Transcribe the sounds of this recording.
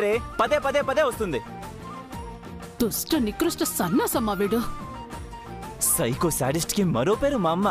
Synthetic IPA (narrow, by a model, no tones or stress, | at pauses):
ɾepɐd̪epɐd̪epɐd̪eost̪und̪e | t̪usʈɐnikɾusʈɐsɐnːasɐmaʋiɖə | sɐjkosa̰ːɖisʈkimɐɾoːpeːɾumamːa